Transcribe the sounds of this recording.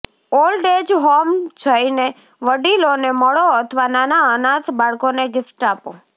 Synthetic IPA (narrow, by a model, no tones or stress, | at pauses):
olɖed͡ʒɦomd͡ʒʰʱəjne | ʋəɖiloneməɭoət̪ʰəʋananaənãt̪ʰbaɭkoneɡɪfʈapo